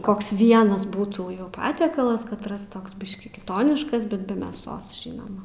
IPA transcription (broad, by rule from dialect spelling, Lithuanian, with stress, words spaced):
ˈkoːks ˈʋʲiɛnɐs ˈbuːtuː jɛʊ ˈpɑːtʲiɛkɐlˠɐs ˈkɑːtrɐs ˈtoːks ˈbʲɪʃʲkʲiː kʲɪˈtoːnʲɪʃkɐs ˈbʲɛt bʲɛ mʲeːˈsoːs ˈʒʲiːnoːmɐ